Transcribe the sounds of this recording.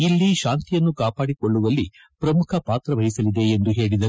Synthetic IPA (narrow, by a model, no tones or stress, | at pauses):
ilːiʃaːnt̪ijɐnːukaːpaːɽikoɭːuʋɐlːi | pɾɐmukʰɐpaːt̪ɾɐʋɐɦisɐlid̪e̞ːnd̪uɦe̞ːɽid̪ɐ